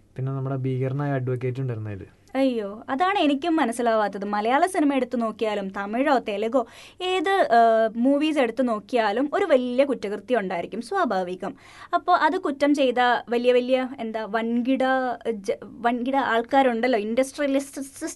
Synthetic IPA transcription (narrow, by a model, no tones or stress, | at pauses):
pinːe̞nɐmːuɽebiːɣɐrnaːjiɐɖʋɐkːeːt̬ʲːuɳɖɐɾunːɐḭðɨ̰ | ɐjːoːɐðaːɳɨe̞nikʲːumːɐnɐsːilaːʋaːt̪ːɐðɨmɐlɐjaːɭɐsinimɐe̞ɽut̪ːɨno̞ːkːijaːlumt̪ɐmiɻoːt̪elɐɣo̞ː | e̞ːðɨmuːʋiːs̬e̞ɽut̪ːuno̞ːkːijaːlumo̞ɾuʋɐljɐkutːɐɣrt̪ːijuɳɖaːjiɾikʲːumsʋaːbʱaːʋiɣːɐm | ɐpːo̞ːʔɐðɨkutːɐmt͡ɕe̞jt̪̬ɐʋɐlijɐʋɐlijɐend̪aːʋɐnɡiɽɐ | ʋɐnɡiɽɐaːɭkaːɾuɳɖɐlːo̞ːindɐsʈrijɐlisis